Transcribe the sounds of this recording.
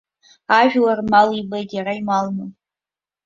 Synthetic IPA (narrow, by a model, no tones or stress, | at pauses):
aʒᶣlarmalibejdjaɾaimalnɨ